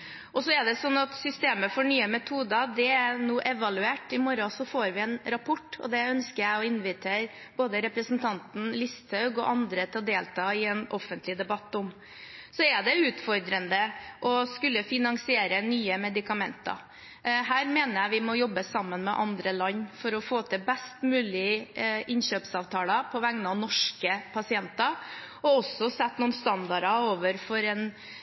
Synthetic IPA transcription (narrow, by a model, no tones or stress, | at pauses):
ʔɔsɔɛɖ̪ɛsɔnːɑt̪sʏst̪eːməfɔɳyːəmɛt̪ʰuːd̪ɑd̪ɛænuːʔɛʋɑlʉeːʈɪmɔɾɑsɔfoːɾʋɪɛnɾɑpʰɔʈːɔ̰d̪ɛœnskəjæɪɔɪnʋɪt̪ʰeːɾ | boːd̪əɾɛpɾəsn̩t̪ʰɑnt̪n̩lɪst̪hɑʉɡɔ̰ʔɑnd̪ɾət̪ʰɑd̪eːlt̪ʰɑːɪɛnʔɔfːənt̪lɪd̪ɛbɑt̪ːʊm | sɔɛɖ̪ɛʉːt̪fɔɾd̪ɾənd̪əʔɔskʉlːəfɪnɑŋsɪeːɾənyːəmɛd̪ɪkɑmɛnt̪ɑ̰ɾ | ɦæːɾmeːnəjæɪʋɪmɔjɔbːəsɑmːənmɛʔɑnd̪ɾəlɑɲːfɔɾɔfoːt̪ʰɪbɛst̪mʉːlɪʔɪnɕøːpsɑːʋt̪ʰɑːlɑpʰɔʋæŋnɑnɔʂkəpʰɑsɪɛnt̪ɑ | ɔɔsːɔsɛt̪ːnuːnst̪ɑnd̪ɑɖɑoːʋəɾfɔɾɛn